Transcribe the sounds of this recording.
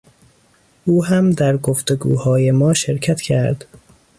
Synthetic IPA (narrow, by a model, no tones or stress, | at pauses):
ʔuːɦæmd̪æɾɡoft̪e̞ɡṵːhɒːje̞mɒːʃeɾcʰæt̪cʰæɾd̪̥